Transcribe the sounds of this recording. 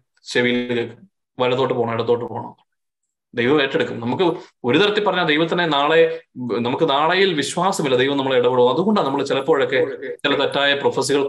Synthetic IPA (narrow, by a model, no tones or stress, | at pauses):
ɕeʋikekː | ʋɐlɐt̪ðːoːʈːɨpo̞ːɣɳɐmeɽɐt̪ːoːʈːɨpoːɐɳɐ̰ | d̪ejʋɐmeːʈːeɽukːumnɐmukːɨo̞ɾut̪ɐɾɐt̪ːilpːɐrɐɲːaːld̪ejʋɐt̪ːɐnːenaːɭenɐmukːɨnaːɭɐjilʋiɕwaːsɐmilːɐd̪ejʋɐmnɐmːɐɭiɽɐʋiɽɐmɐðuɣo̞ɳɖanɐmːɐɭt͡ɕilɐpːo̞ːɻokːe̞t͡ɕilɐt̪ɐtːaːjɐprofɐs̬iɣɐɭ